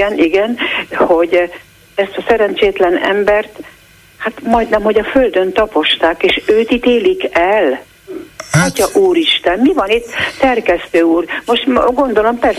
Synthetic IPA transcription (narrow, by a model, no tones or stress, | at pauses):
ɛniɡɛnho̞ɟ | ɛst̪ɒsɛɾɛnt͡ʃeːt̪lɛnɛ̰mbɛrt̪ | hat̪mɒjd̪nɛmho̞ɟɒføld̪ø̞nt̪ɒpo̞ʃt̪aːkeːʃøːt̪it̪eːlikɛl | ɒcɒʔuːɾiʃt̪ɛmmivɒnit̪ːɛrkɛst̪øːuːrmo̞ʃt̪ɡo̞nd̪o̞lo̞mpɛr